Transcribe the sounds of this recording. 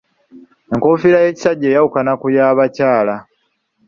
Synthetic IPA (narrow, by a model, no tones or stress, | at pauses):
e̞ŋkofiɾaje̞ci̥saɟːe̞ːjawukanakujaːβacaːla